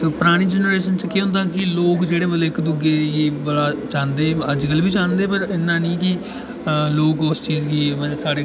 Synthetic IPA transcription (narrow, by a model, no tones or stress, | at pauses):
pʊɾaːɽ̃iːd͡ʒɛːnɾeːʃənt͡ʃkiːɦʊ̃nd̪aːkɪloːkd͡ʒeːɽeːbəleːɪkd̪ʊɡeːjeːbəlaːt͡ʃãːnd̪eːəd͡ʒkəlbiːt͡ʃãːnd̪eːpəɾɪnːãːnĩːkɪ | loːkost͡ʃiːzɡiːmɛ̃ːsaːɽeː